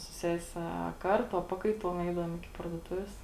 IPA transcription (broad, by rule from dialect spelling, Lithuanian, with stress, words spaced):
sʊ ˈsʲæːsʲɛ ɐ ˈkɐrˌtʊ ɐ ˈpɑːkɐɪˌtuɔm ˈɛɪdɐʋuɔm ɪˈkʲɪ pɐrduɔˈtʊʋʲeːs